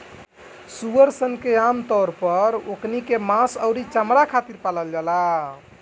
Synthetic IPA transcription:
suəɾsənkeamt̪ɔɾpəɾoknikemãsəʊɾit͡ʃamɾakʰat̪iɾpaləld͡ʒala

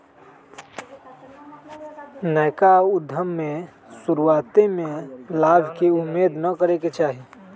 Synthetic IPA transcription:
nəjkaud̪ʱəmːe | suɾuat̪emelabʱkeumːed̪nəkəɾeket͡ʃaːɦi

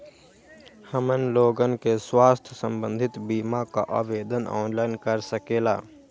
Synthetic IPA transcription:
həmənloːɡənkeswaːst̪ʰsə̃mbə̃nd̪ʱɪt̪biːmaka̰ʔa̰ːʋeːd̪ənɔ̰ːnlaːɪnkəɾsəkeːla̰ː

